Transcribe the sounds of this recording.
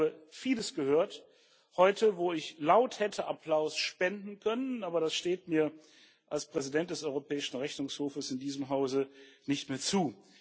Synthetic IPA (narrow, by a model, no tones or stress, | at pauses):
bəfiːləsɡ̥əhøːɐt | hɔʏtʰəvoːɪçlaʊthɛtʰəʔapl̥aʊsʃpɛndn̩kʰœnənʔaːbɐɾasʃteːtmiːɐ | ʔalspʁ̥ɛzidɛnt̚d̥ɛsɔʏʁopʰɛːɪʃn̩ʁɛçnʊŋshoːfəsɪndiːzəmɦaʊzənɪçtmeːɐt͡suː